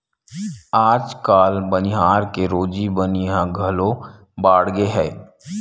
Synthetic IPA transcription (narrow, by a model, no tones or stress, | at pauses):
aːd͡ʒkaːlbənɪɦaːɾkeɾoːd͡ʒibəniɦãɡʱəlõ | baːɽɡeɦɛː